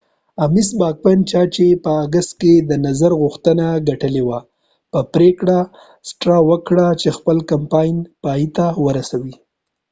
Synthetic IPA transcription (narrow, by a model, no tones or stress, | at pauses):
amisbɑk̚pant͡ʃɑt͡ʃepəaɡast̪̚ked̪ənazaɾɣʊxt̪ənaɡaʈəlewa | pəpɾekɽa | sʈɾawəkɽat͡ʃexpəlkampɑjnpɑjit̪awəɾasawi